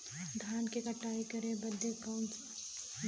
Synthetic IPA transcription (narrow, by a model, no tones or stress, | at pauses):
dʱaːnkekəʈːaːikɐɾẽbəd̪ːekɐ̃ːnt͡ʃ